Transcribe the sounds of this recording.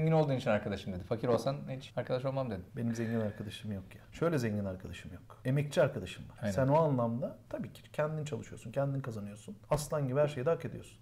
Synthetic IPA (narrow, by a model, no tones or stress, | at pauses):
ɛɲɟino̞ld̪uːnit͡ʃʰinaɾkad̪aʃɯmd̪e̞d̪ifacʰiɾo̞lˠsanet͡ʃaɾkʰad̪aʃ̬o̞lˠmamd̪ed̪ɪmbe̞nimzeɲɟinaɾkʰad̪aʃɯmjo̞kjaʃø̞jlʲɛzeɲɟinaɾkʰad̪aʃɯmjo̞ke̞mɛc̚t͡ʃʰiaɾkʰad̪aʃɯmvaɾnsænoanlˠamd̪at̪ʰabiːcʰi̥cʰɛnd̪init͡ʃʰalˠɯʃɯjo̞̰suncʲʰɛnd̪inikʰazanɯjo̞sunaslˠaɲɟibhæɾʃe̞jɛd̪ɛaake̞d̪ijosun